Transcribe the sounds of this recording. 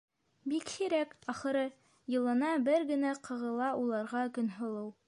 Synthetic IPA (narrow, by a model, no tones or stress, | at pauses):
bikhiɾækɑχɤ̆ɾɤ | jɤ̆lˠɤ̆nɑbɘɾɡɘ̆næqɤ̆ʁɤ̆lˠɑulˠɑɾʁɑkɵ̆nɦŏlˠɤw